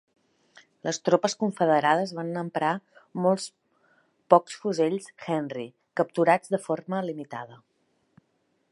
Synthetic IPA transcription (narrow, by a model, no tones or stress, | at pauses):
ləst̪ɾopəskuɱfəðəɾað̞əzβanːəmpɾamolˠs | pɔksfuzeʎsxɛnri | kəp̚t̪uɾad͡zðəforməlimit̪a̰ðə